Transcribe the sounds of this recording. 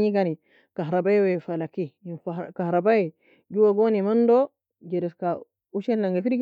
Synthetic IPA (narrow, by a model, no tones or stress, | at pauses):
ɲiɡani | kaɦɾabajwefalakiifakahɾabaji | d͡ʒuwaɡonimando | d͡ʒeɾiska | uʃenːaŋɡefiɾɡ